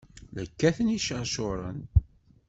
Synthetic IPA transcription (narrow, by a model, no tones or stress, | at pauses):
ləkːæθəniʃəʁˤʃʊɾˤə̰n